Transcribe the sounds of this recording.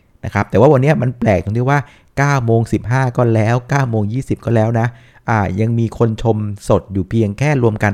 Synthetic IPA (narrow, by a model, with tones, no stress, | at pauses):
na˦˥kʰɾa˦˥p̚t̪ɛː˨˩waː˥˩wa˧nːi˦˥ɐma˧nplɛː˨˩k̚t̪o˧ŋt̪i˥˩waː˥˩ | kaː˥˩wmoː˧ŋsi˨˩p̚ɦaː˥˩kɔː˥˩lɛː˦˥wkaː˥˩wmoː˧ŋjiː˥˩si˨˩p̚kɔː˥˩lɛː˦˥wna˦˥ | ʔaː˨˩ja˧ŋmiː˧kʰo˧nt͡ɕʰo˧mso˨˩t̪̚juː˨˩pʰi˧əŋkʰɛː˥˩ɾu˧əmka˧n